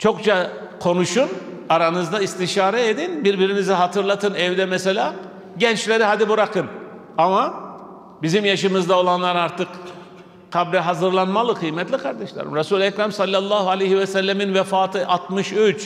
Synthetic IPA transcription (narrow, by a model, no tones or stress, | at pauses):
t͡ʃʰo̞kt͡ʃʰa | kʰo̞nuʃun | aɾanɯzd̪aist̪ʰiʃaːɾɛed̪inbiɾbiɾiniziɦat̪ʰɯɾlˠat̪ʰɯnɛvd̪ɛmɛselʲaː | ɟɛnt͡ʃlʲe̞ɾiɦad̪ibuɾakʰɯn | ama | bizimjaʃɯmɯzd̪ao̞lˠanlˠaɾaɾt̪ʰɯk | kʰabɾɛɦazɯɾlˠanmalˠɯkʰɯjmɛt̪lʲikʰaɾd̪ɛʃlˠa̰ɾɯ̰mɾasuːlʲɛcɾamsalʲːalˠːaːhualʲejhivɛsælʲːɛminvɛfaːt̪ʰɯʔat̪mɯʃyt͡ʃ